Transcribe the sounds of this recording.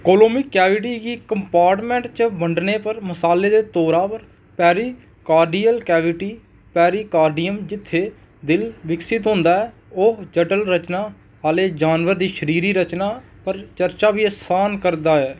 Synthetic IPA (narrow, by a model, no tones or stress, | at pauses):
koːloːmɪkɛːʋɪʈiːɡiːkəmpaːɾʈmɛ̃ːɳʈt͡ʃbəɳɖneːpəɾməsaːleːd̪eːt̪oːɾaːpəɾ | pɛːɾiː | kaːɾɖiːəlkɛːʋɪʈiː | pɛːɾiːkaːɾɖijəmd͡ʒɪt̪ʰːeː | d̪ɪlʋɪksɪt̪ɦʊ̃ːnd̪aːɛː | ʊɦd͡ʒəʈəlɾət͡ʃnaː | ɦaːleːd͡ʒaːnʋəɾd̪iːʃəɾiːɾiːɾət͡ʃnaː | pəɾt͡ʃəɾt͡ʃaːbiːəsaːnkəɾd̪aːɛː